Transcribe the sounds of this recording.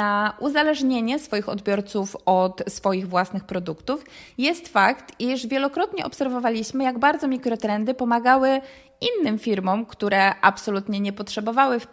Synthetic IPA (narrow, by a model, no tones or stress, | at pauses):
aʔuzalɛʐɲeɲɛsfɔjixɔ̰d̪bʲjɔɾt̪sufɔt̪sfɔjiɣvwasnɘxpɾɔd̪ukt̪ufjɛst̪fakt̪iʂvʲjɛlɔkɾɔt̪ɲɛʔɔpsɛɾvɔvalʲiɕmɘjaɡbaɾd̪zɔmʲikɾɔt̪ɾɛnd̪ɘpɔmaɡawɘ | inːɘmfʲiɾmɔmkt̪uɾɛʔapsɔlut̪ɲɛɲɛpɔtʂɛbɔvawɘf